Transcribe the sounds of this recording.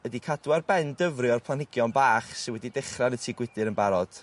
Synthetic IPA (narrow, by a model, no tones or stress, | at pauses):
ədikʰadwarbɛndəvrɨɔrpʰlˠanhɪɡjɔnbaːχsɪwɛdidɪχranətʰiːɡwɪdɨɾənbaɾɔd̥